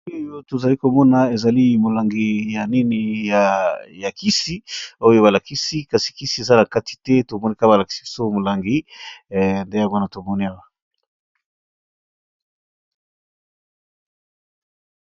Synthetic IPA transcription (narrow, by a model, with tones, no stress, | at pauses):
o˦jo˦to˨za˨li˦ko˨mɔ˦na˨e˨za˨li˦mo˨la˨ŋɡi˨ja˨ni˦ni˨ja˨ja˨ki˦si˦o˦jo˦βa˨la˨ki˦si˦ka˨si̥˨ki˦si˦e˨za˦na˨ka˦ti̥˨tɛ˦to˨mɔ˦ni˦ka˦ba˨la˨ki̥˨˦si̥˦so˦mo˨la˨ŋɡi˦ | nde˦ja˨ŋɡo˦na˨to˨mɔ˦ni˦a˦wa˨